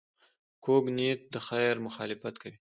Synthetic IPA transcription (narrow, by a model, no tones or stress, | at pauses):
kʰoɡnit̪̚d̪əxajɾmʊxɑlɪfat̪kawi